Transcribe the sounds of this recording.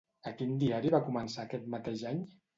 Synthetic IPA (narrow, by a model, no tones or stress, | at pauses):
əkind̪iaɾiβakumənsaːkɛt̪mət̪eʒaɲ